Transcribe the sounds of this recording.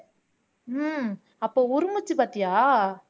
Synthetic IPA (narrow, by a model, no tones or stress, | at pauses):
ɐpːoːʊɾɯmɯt͡ʃːɯpaːɾt̪ɪjaː